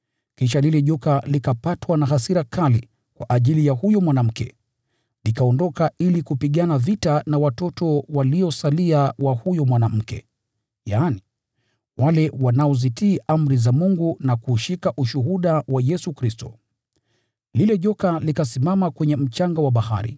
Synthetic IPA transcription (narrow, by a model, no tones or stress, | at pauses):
kiʃalilɛʄɔkalikapatwanaɦasiɾakali | kwa̰ʔaʄilijahujɔmwanam̩kɛ | likaɔndɔkailikupiɠanavitanawatɔtɔwaliɔsaliawahujɔmwanam̩kɛ̰ | jaːni | walɛwanaɔzitiːʔam̩ɾizamuŋɡunakuʃikaʔuʃuɦuɗawajɛsukɾistɔ̰ | lilɛʄɔkalikasimamakwɛɲɛm̩t͡ʃaŋɡawaɓaha̰ɾḭ